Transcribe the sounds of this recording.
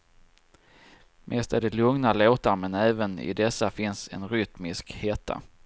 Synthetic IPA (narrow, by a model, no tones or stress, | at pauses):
mʔeːst̪æɾɖɛlɵŋnaloːt̪aɾmɛnɛːvənɪ̰d̪ɛsːafɪnsɛ̰nɾʏt̪mɪskheːt̪ʰa̰